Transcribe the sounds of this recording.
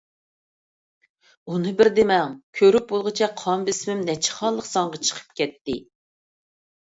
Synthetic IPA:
unɨbɪɾd̪emɛŋkʲʰøɾyp̚bolˠʁət͡ʃʰɛqʰɑmbɪsmɪmnɛt͡ʃʰɪ̥χɑllˠəqsɑŋʁɑt͡ʃʰə̥qʰə̥p̚kʲʰɛt̪ːɪ

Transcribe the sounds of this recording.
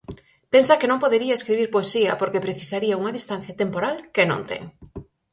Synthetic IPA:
pensakenõŋpoðeɾiaeskɾiβiɾpoesiɐpoɾkepɾeθisaɾiauŋɐðist̪an̟θjɐt̪empoɾalkenõ̰nt̪ɛ̰ŋ

